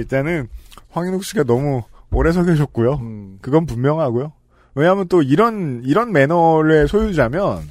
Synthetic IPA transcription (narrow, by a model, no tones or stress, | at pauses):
iɭt͈enɯnɸwaŋinok̚ɕ͈iɡanʌmuoɾes̬ʰʌɡeɕ̬ʰʌt̚k͈ujokɯɡʌnp̬ummjʌŋɦaɡojo | weɲaɦamjʌnt͈oiɾʌniɾʌnme̞nʌɾe̞sʰojud͡ʑamjʌn